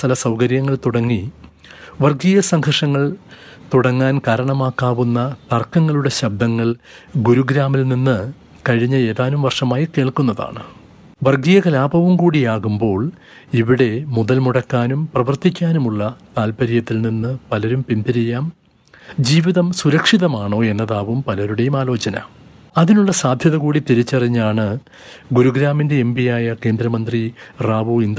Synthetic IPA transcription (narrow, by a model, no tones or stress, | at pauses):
t̪ɐlɐsɐwkɐɾjɐŋːɐɭt̪uɽɐŋːi | ʋɐrɡijɐsɐŋɡʰʱɐʂɐŋːɐɭ | t̪uɽɐŋːaːnkaːɾɐɳɐmaːkːaːʋunːɐt̪ɐrkːɐŋːɐɭuɽe̞ɕɐb̚d̪ɐŋːɐɭ | ɡuɾuɡɾaːmilninːɨ | kɐɻiɲːɐe̞ːðaːnumʋɐrʂɐmaːjike̞ːɭkunːɐða̰ːɳɨ | ʋɐrɡijɐkɐlaːbɐʋumkuːɽijaːɣumbo̞ːɭ | iʋiɽe̞muðɐlmuɽɐkːaːnumprɐʋɐrt̪ikʲːaːnumuɭːɐt̪aːlpɐɾijɐt̪ːilninːɨpɐlɐɾumpind̪iɾijaːm | d͡ʑiːʋiðɐmsuɾɐkʂiðɐmaːɳo̞ːe̞nːɐðaːʋumpɐlɐɾuɽejumaːlo̞ːt͡ɕɐnɐ̰ | ɐðinuɭːɐsaːd̪ʱjɐðɐɣuːɽit̪iɾit͡ɕːɐriɲːaːɳɨ | ɡuɾuɡɾaːminde̞embijaːjɐke̞ːnd̪ɾɐmɐnd̪riraːʋuind̪